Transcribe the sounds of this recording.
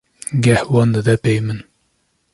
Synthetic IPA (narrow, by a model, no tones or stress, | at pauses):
ɡɛhwɑnd̪ɨd̪ɛpejmɨn